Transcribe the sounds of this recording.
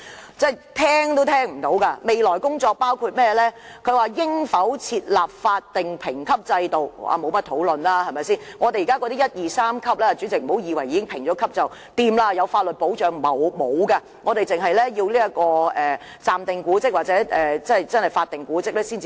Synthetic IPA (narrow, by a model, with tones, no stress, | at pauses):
t͡sɛː˥˩jt̪ʰɛː˥ŋt̪o˥wt̪ʰɛː˥ŋm̩˨˩t̪o˨˥wka˧me˨jlɔː˨˩jkʊ˥ŋt͡ʃɔː˧k̚paː˥wkʰuː˧t̚mɛː˥lɛː˥ | kʰɵ˨˧ɥwaː˨jɪ˥ŋfɐ˨˥wt͡sʰiː˧t̚laː˨p̚faː˧t̚t̪ːɪ˨˩ŋpʰɪ˨˩ŋkʰɐ˥p̚t͡sɐ˧jt̪o˨wwa̰ː˨˧mo˨˧wmɐ˥t̚t̪ʰo˨˥wlɵ˨nlaː˥hɐ˨jmɐ˨jsiː˥˩nŋɔː˨˧t̪e˨jiː˨kaː˥kɔ˧t̪i˥jɐ˥t̚jiː˨saː˥mkʰɐ˥p̚lɛː˥a˨˩t͡ʃyː˨˥t͡sɪ˨k̚m̩˨˩ho˨˥wjiː˨˧wɐ˨˩jːiː˨˧kɪ˥ŋpʰɪ˨˩ŋt͡ʃɔː˨˥kʰɐ˥p̚t͡sɐ˨w | t̪iː˧mlaː˧jɐ˨˧wfaː˧t̚lɵ˨t̚po˨˥wt͡ʃœː˨˧ŋmɐ˨wmo˨˧wka˧ | ŋɔː˨˧t̪e˨jt͡sɪ˨ŋɦɐ˨jlɛː˥jiː˧wliː˥ɐ˥kɔː˧ɛː˨ | t͡saː˨mt̪ɪ˨ŋkuː˨˥t͡sɪ˥k̚waː˨t͡sɛ˨˥ʔɛː˨˩t͡sɐ˥˨jt͡sɐ˥nhɐ˨jfaː˧t̪ɪ˨ŋkuː˨˥t͡sɪ˥k̚lɛː˥siː˥nt͡siː˧